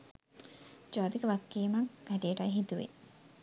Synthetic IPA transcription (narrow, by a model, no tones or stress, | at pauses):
d͡ʒaːt̪ikɐʋakːiːmɐkɡæʈiəʈɐjɦit̪uʋḛ